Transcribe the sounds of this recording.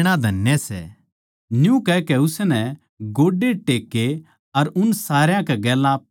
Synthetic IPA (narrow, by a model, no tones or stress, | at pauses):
ɽ̃ãd̪ʱɐnjəsɛ̰ | njũkɛkɛʊsnɛ | ɡoːɖeʈeːkːe | ɐɾʊnsaːɾjãkɛɡɛːlã